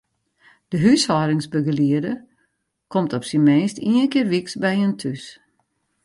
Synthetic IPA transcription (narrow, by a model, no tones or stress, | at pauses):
d̥əɦyshɔːɾɪŋsbəɡəliədə | kʰɔmtɔpsinmeːstiənkɪːrʋiksbɛjəntʰys